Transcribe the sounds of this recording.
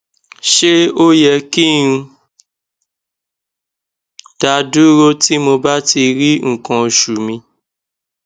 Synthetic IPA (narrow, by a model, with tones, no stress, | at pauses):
ʃe˦o˦jɛ˧kĩ˦ũ˧ | d̥a˧du˦ɾo˦ti˦mo˧ba˦ti˧ɾi˦ŋ̩˨kã˨o˨ʃu˨mĩ˧